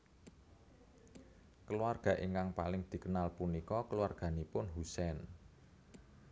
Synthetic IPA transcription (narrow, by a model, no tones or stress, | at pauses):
kəluarɡ̥ä̤ʔiŋkaŋpalɪŋd̪̥i̤kənalpunikɔkəluarɡ̥a̤nipʊnɦusɛn